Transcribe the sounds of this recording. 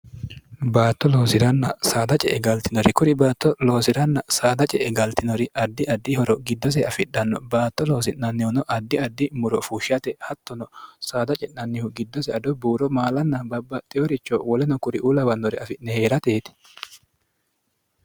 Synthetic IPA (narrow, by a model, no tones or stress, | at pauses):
baːt̪ːɔlo̞ːsɪɾɐnːɐsaːd̪ɐt͡ʃʼɛʔɛɡɐlt̪ɪnɔɾɪkʊɾɪbaːt̪ːɔlo̞ːsɪɾɐnːɐsaːd̪ɐt͡ʃʼɛʔɛɡɐlt̪ɪnɔɾɪɐd̪ːɪʔɐd̪ːɪhɔɾɔɡɪd̪ːɔs̬ɛɐfɪᶑɐnːɔbaːt̪ːɔlo̞ːs̬ɪʔnɐnːɪhʊnɔʔɐd̪ːɪɐd̪ːɪmʊɾɔfuːʃɪɐt̪ɛhɐt̪ːɔnɔsaːd̪ɐt͡ʃʼɛnnɐnːɪhʊɡɪd̪ːɔsɛɐd̪ɔbuːɾɔmaːlɐnːɐbɐbːɐt̪ʼɪjɔɾɪt͡ʃːɔwɔlɛnɔkʊɾɪʔuːlɐwɐnːɔɾɪɐfɪnnɛhe̞ːɾɐt̪eːt̪ɪ̥